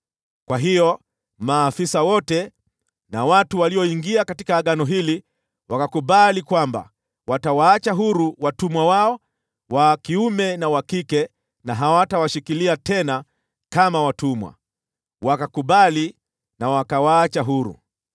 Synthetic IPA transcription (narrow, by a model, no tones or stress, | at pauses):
kwaɦijɔ | maːfisawɔtɛ | nawatuwaliɔiŋɡiakatikaːɠanɔɦili | wakakuɓalikwamba̰ | watawaːt͡ʃaɦuɾuwatumwawaɔ | wakiumɛnawakikɛ | naɦawatawaʃikiliatɛna | kamawatumwa̰ | wakakuɓali | nawakawaːt͡ʃaɦuɾṵ